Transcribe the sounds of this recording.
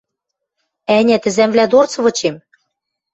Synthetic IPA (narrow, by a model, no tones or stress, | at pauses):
ænʲæt̪ɘ̆zæmvlæd̪ort͡sɤ̆βɤ̆t͡ɕem